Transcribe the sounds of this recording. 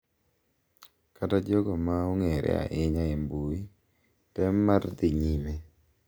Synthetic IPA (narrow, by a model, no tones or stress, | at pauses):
katad͡ʒɔɡɔmaoŋɛɾʔɛ̰a̰ʔɪɲaɛmbui | tɛmːard̪ɪɲime